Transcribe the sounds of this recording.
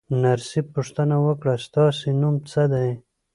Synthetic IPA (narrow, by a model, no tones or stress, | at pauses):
naɾsipuʂt̪ənawəkɽast̪ɑsenumt͡səd̪aj